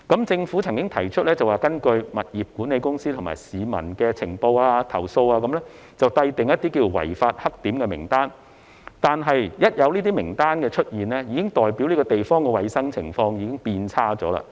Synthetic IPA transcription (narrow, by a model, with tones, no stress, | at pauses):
kɐ˨˥mt͡sɪ˧ŋfuː˨˥t͡sʰɐ˨˩ŋkɪ˥ŋt̪ʰɐ˨˩jt͡ʃʰt̚lɛ˥t͡sɐ˨waː˨˩kɐ˥nkɵ˧ɥmɐ˨t̚jiː˨p̚kuː˨˥nːe˨˧jkʊ˥ŋsiː˥t̪ʰʊ˨˩ma̰ː˨˩jsiː˨mɐ̰˨˩nkɛː˧t͡sʰɪ˨˩ŋpo˧waː˧t̪ʰɐ̰˨˩wso˧waː˧kɐ˨˦mlɛ˥ | t͡sɐ˨wt̪ɐ˧jt̪ɪ˨ŋjɐ˥t̪ːiː˥kiː˧wwɐ̰˨˩jfaː˧t̚hɐ˥k̚t̪iː˨˥mkɛː˧mɪ̰˨˩ŋt̪aː˥n | t̪aː˨nɦɐ˨jjɐ˥t̚jɐ˨˧wniː˥t̪̬iː˥mɪ˨˩ŋt̪aː˥nkɛː˧t͡ʃʰɵ˥t̚jiː˨˩nlɛ˥jiː˨˧kɪ˥ŋt̪ɔː˨jpiː˨˥wliː˥kɔ˧t̪e˨jfɔː˥ŋkɛː˧wɐ˨˧jsɐ˥ŋt͡sʰɪ˨˩ŋfɔː˧ŋjiː˨˧kɪ˥ŋpiː˧nt͡sʰaː˥t͡ʃɔː˨˥la̰˧